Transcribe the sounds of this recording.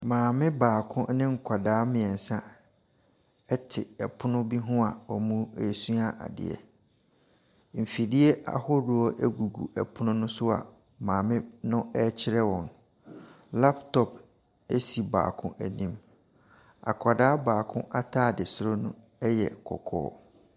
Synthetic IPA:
mãː˨mɪ̃˦baː˨kʰʊ̃˦nɪ̃˦ŋ̩˨kʰa˨daː˨˦mɪ̃˨ɛ˨n̩˨sã˦ | ɛ˦tʰɪ˨ɛ˨pʰʊ˦nʊ̃˦bi˦ɦʊ̃˦a˨ɔ˨mũ˦e˨su˦a˦ʔa̰˨dɪ̰˨ɛ̰˨ | m̩˨fi˨di˦e˦ʔa̰˨hʊ˦ɾʊ˨ɔ˦ʔæ˦ɡu˨ɡṵ˨ʔɛ˨pʰʊ˦nʊ̃˦nʊ̃˦sʊ˦a̰˨ | mãː˨mɪ̃˦nʊ̃˦ɛ˦t͡ɕʰɪ˦ɾɛ˦wɔ̃˨n | la˦ptʰɔ˨p | e˦si˨ba̰ː˨kʰʊ̃˦ʔæ˨nĩ˦m | a̰˨kʷʰa˨daː˦baː˨kʰʊ̃˦ʔa˦tʰaː˦˨dɪ˨sʊ˦ɾo˦nʊ̃˦ | ɛ˦jɛ̰˨kʰɔ̰˨kʰɔ̰ː˦

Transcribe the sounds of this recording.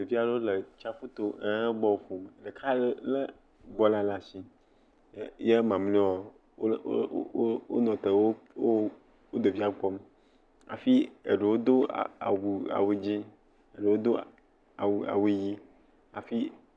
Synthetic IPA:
de˨vi˦a˨ɖe˦wo˦le˨t͡ʃa˦fu˦t̪o˦e˦ɡ͡bɔ˦wo˨fo˨m˨ɖe˨kʰa˦le˦le˦ | ɡ͡bɔ˦la˦la˨si˦ | je˦mã˨m˦ĩ˦wa˨˦ | o̰˦nɔ̃˨t̪e˨wo˦wo˦ | wo˦d̪o˨vi˦a˨ɡ͡bɔ˦m | a̰˨fi˦ḛ˨ɖe˨wo˦d̪o˦˨a̰˨wu˨a̰˨we˦d͡ʑi˦ | e˨ɖe˨wo˦d̪o˦ | a˨wu˨a̰˨wi˦ji˦ | a˨fi˦

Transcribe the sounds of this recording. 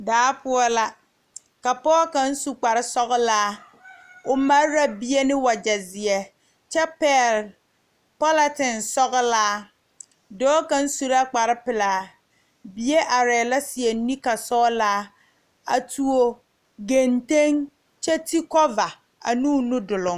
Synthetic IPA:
daː˨˦pʊ˦ɔ˦la˦ | ka˨pɔ˦ka˨˦n̩˦su˨k͡pa˨ɾɪ˦sɔ˦ɣʊ˦laː˦ | ʊ˨ma˦a˦bi˦e˦nɪ˦wa˨d͡ʒa˨zɪ˨ɛ˨ | t͡ʃɛ˦pɛ˦˨l | pɔ˦la˦tɪ˨nsɔ˦ɣʊ˦laː˦ | dɔː˦ka˦n̩˦su˦ɾa˦k͡pa˨ɾɪ˦pɪ˨laː˨˦ | bi˦e˦ʔa˨ɾɛː˨la˦sɪ˨ɛ˨˦ni˦ka˨sɔː˦laː˦ | a̰˨tʰu˦o˦ | ɡe˨nte˦ŋ | t͡ʃɛ˦ti˦kɔ˦va˨ | a̰˨nuː˦nʊ˦dʊ˨lʊ˨ŋ

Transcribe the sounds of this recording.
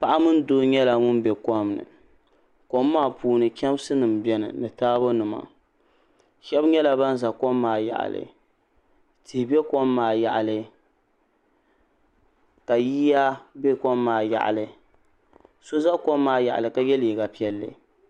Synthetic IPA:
pa˦ʔa˦mɨ˦n˦doː˦ɲɛ˦la˨ŋʊ˦n˦bɛ˨kɔ˦mnɨ̰˨ | ko˦mːaː˦˨puː˦nɨ˨kʲɛ˦m˦sɨ˦nɨ˨mbɛ˨˦nɨ̰˨nɨ˨taː˦bo˦nɨ˨ma̰˨ | ʃɛ˦bɲɛ˦la˨ba˦n˦za˨kɔ˦mːaː˨ja̰˨ʔa̰˨lɨ̰˨ | tʰɨ˨hbɛ˦ko˦mːaː˨ja˨ʔa˨lɨ˦ | ka˨jiː˦ja˦be˦kɔ˦mːaː˨ja̰˨ʔa̰˨lɨ˨ | so˦za˦kɔ˦mːaː˨ja˨ʔa̰˨lɨ˨ka˦jɛ˦li˨ɡa˨pi˦ɛ˦lːɨ̰˨

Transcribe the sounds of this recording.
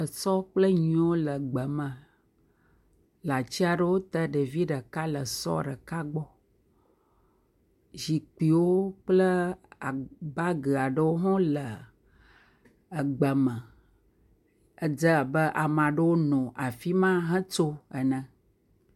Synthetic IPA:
ə˨sɔ˦k͡plə˦ɲĩ˦wo˦lə˨ɡ͡bə˨mə̃˨ | la˨t͡ɕi˦a˨ɖə˦wo˦t̪ə˦ɖə˨vi˦ɖə˨ka˦lə˨sɔ̰˦ɖə˨ka˦ɡ͡bɔ˦ | ʒi˨k͡pi˨wo˦k͡plə˦a˨ba˦ɡə˨a˨ɖə˦wo˦ɦɔ̃˦lə˨ | ɡ͡bə˨mə̃˨ | ə˨d͡zə˦˨bə˦ʔa˨mã˨ɖə˦wo˦nɔ̃˨ʔa˨fi˦mã˦ɦə̃˦t͡ʃo˦ə˨nə̃˨

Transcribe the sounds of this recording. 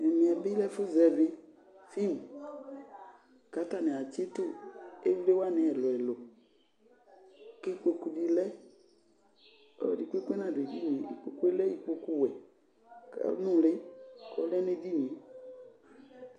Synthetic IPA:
nɛ˨mĩ˨a˨bi˦lɛ˦fu˦zɛ˨vi˦ | fi˦m | ka˨˦ta˨nẽ˨a˨t͡ʃe˦to˦e˦vle˦wa˦nẽ˨ɛ˨lɔ˨ɛ˨lo˨ | ke˦k͡po˨ku˨di˨lɛ˦ | ɔ̰˦˨di˨ke˦ke˦nã˨de˨di˦mĩ˨˦ḭ˨k͡po˨ku˦e˦lɛ˦i˦k͡po˨ku˦wɛ˨ | ka̰˨˦nũ˦le˦kɔ̰˦lɛ˦nẽ˦di˦mĩ˨˦

